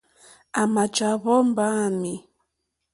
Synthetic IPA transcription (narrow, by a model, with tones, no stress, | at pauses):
a˨ma˨d͡ʒa˨βɔ˦m˦ba˦˨mi˨